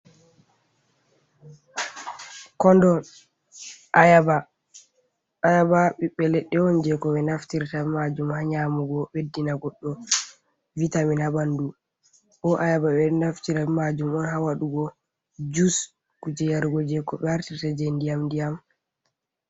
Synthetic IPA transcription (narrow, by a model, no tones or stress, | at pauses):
kɔndɔ | ʔajaba | ajabaɓiɓɛlɛɗːɛwɔnd͡ʒɛkɔɓɛnaftiɾtamad͡ʒumhaɲamuɡɔɓedːinaɡɔɗːɔ | vitaminhabandu | ʔɔʔajabaɓɛnaftiɾamad͡ʒumɔnɦawaɗuɡɔ | d͡ʒus | kud͡ʒɛjaɾɡɔd͡ʒɛkɔɓɛhaɾtiɾtad͡ʒendijamndijam